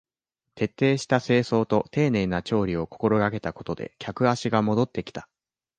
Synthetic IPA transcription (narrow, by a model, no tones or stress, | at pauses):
t̪e̞t̪ːe̞ːɕi̥t̪ase̞ːso̞ːt̪o̞t̪e̞ːne̞ːnat͡ɕo̞ːɾʲio̞ko̞ko̞ɾo̞ɡake̞t̪ako̞̥t̪o̞d̪e̞̰kʲakɯ̟aɕiɡamo̞d̪o̞t̪ːe̞kʲi̥t̪ḁ